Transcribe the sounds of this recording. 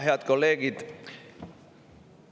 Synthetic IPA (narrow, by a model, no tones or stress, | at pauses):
ɦeæt̪koleːɡit̪